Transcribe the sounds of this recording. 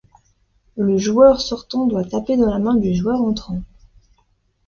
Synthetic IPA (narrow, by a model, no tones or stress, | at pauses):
ləʒuœʁsɔʁt̪ɑ̃d̪wat̪aped̪ɑ̃lamɛ̃d̪yʒwœʁɑ̃t̪χɑ̃